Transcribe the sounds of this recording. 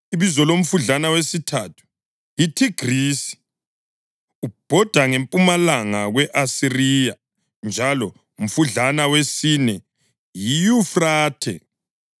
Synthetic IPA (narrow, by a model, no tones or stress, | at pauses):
iβizɔlom̩fuɮanawesitʰatʰu̥ | jitʰiɡ̥riːsi̥ | ub̥ʱɔd̥ʱaŋempʼumalaŋaɣwɛʔasirija | nd͡ʒʱalɔ | um̩fuɮanawesinɛ | jijufraːtʰɛ̰